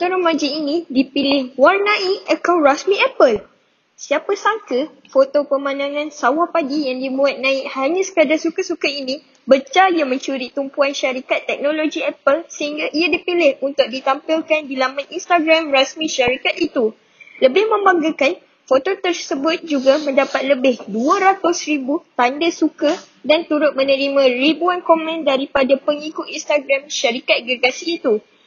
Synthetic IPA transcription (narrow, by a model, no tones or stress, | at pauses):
t̪oɾamãd͡ʒiinĩdipilɪhwarnãʔiʔəkawɾasmĩʔɛpəl | siapasaŋkə | fot̪opəmãnãŋãnsawapaɡijaŋdibuat̪̚nãɪk̚haɲãsə̥kadasukasukainĩ | bət͡ʃajamə̃ɲt͡ʃuɾit̪umpuanʃaɾikat̪ːɛk̚nõloɡiɛpəlsəhiŋɡaʔiadipilɪhunt̪ʊk̚dit̪ampɪlkandilamãnʔinst̪aɡɾamrasmĩʃaɾikat̪̚it̪u | ləbɪhmə̃mbaŋɡakan | fot̪ot̪ərsəbʊt̪̚d͡ʒuɡamə̃ndapat̪̚ləbɪhduaɾat̪ʊsribut̪andəsuka | dant̪uɾʊt̪̚mə̃nə̃ɾimãribuankomɛ̃ndaɾipadapəŋikʊt̪inst̪aɡɾamʃaɾikat̪̚ɡɾɡasiːt̪u